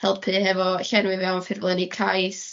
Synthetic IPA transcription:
hɛlˠb̥̚pʰɨːhɛvɔɬɛnwɪvɛwnfɪrblˠənikʰajs

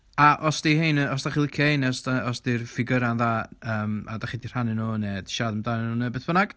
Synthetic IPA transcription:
aʔɔsd̥ihenəɔsd̥aχilˠɪkʰjahenɛsdaɔsdirfɪɡəɾanðaːəːma̰daχidirhanɪnoːnɛd̥ʃaːdəmdanɛnunɛbeθb̥ənaɡ̥

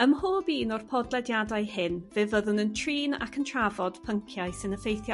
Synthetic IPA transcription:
əmhoːbiːnɔrpʰɔdlˠɛdjadajhɪnvɨːvəðʊnəntʰriːna̰kʰəntʰravɔd̥pʰəŋkʰjajsɪnəfejθjɔ

